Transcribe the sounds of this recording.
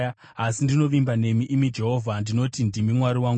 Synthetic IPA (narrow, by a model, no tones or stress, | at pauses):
asindino̞ʋimbane̞miʔimid͡ʒe̞ɦo̞vʱandino̞tindimimwaɾiwaŋɡu